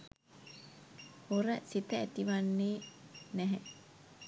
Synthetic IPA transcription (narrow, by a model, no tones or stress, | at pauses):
hoɾəsit̪əːt̪iʋanːeːnɛɦɛ